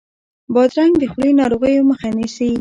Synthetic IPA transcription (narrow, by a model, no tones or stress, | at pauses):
bɑd̪ɾaŋɡd̪əxɽinɑɾoɣəjoməxanisi